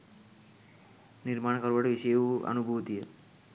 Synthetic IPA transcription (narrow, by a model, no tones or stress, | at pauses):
niɾmaːɳkəɾʋəʈeʋiʃɐjuʔɐ̰nubʱuʋt̪ijə